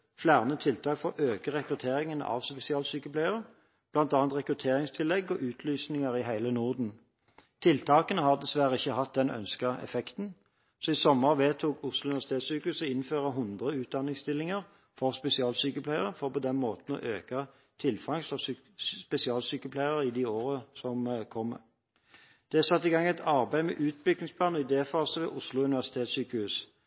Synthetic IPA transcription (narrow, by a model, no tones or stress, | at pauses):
flæːʁnət̪ʰɪlt̪ʰɑːkfɔʔøːkəʁɛkʁʉt̪ʰeːʁɪŋənə̰ʔɑ̰ʋspɛsɪɑːlsyːkəpʰlæɪəʁə | b̥lɑnt̪ɑːɑnt̪ʁɛkʁʉt̪ʰeːʁɪŋst̪ʰɪlɛɡːɔʔʉːt̪ʰlyːsnɪŋəʁɪɦæɪlənʊʁd̪n̩ | t̪ʰɪlt̪ʰɑːkənəhɑʁd̪ɛsʋæʁəɪçːəhɑt̪̚d̪ɛnœ̰nskəɛ̰fɛkt̪n̩ | sɔisɔmːəʁʋeːt̪ʰuːkʰʊslʊʋæʁst̪ʰeːt̪syːkʉsəɪnføːʁəɦʊnd̪ʁəʉːt̪̚d̪ɑnːɪŋst̪ɪlːɪŋəʁ | fɔʁspɛsɪɑːlsyːkəpʰlæɪəʁəfɔʁpɔd̪ɛnmoːt̪n̩ɔ̰ʔøːkɑ | t̪ʰɪlfɑŋsɔ | spɛsɪɑːlsyːkəpʰlæɪəʁɪd̪ɪoːʁəsɔmkʰɔm | d̪̥ɛæsɑt̪ːɪɡɑŋːɛɪt̪ʰɑʁbæɪmɛ̰ʔʉːt̪̚bʏɡ̚nɪŋspʰlɑːnɪd̪eːfɑːsəʋɛ̰ːʔʊslʊʉnɪʋæʁsɪt̪ʰeːt̪syːkəhʉːs